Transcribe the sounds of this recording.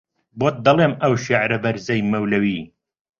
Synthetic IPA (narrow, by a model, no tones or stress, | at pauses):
bot̪̚d̪ɐlˠeːmɐwʃeʕɾɐbɐɾzɐjmɐwlɐwiː